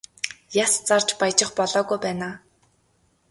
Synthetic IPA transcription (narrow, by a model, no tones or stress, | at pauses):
jast͡sart͡ɕpajt͡ɕɪ̆χpɔɮɔːɣujpæːnaː